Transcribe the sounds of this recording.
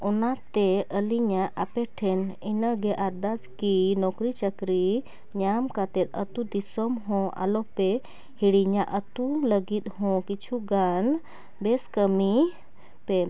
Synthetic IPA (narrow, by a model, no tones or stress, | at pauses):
ɔnat̪ɛʔəliɲaʔapɛʈʰɛninəɡɛʔaɾd̪askinɔkɾit͡ʃəkɾi | ɲamkat̪ɛt̪̚ət̪ud̪isɔmɦɔ̃ʔa̰lɔpe | hiɽiɲaʔət̪uləɡit̪̚hɔ̃kit͡ʃʰuɡan | bɛskəmi | pe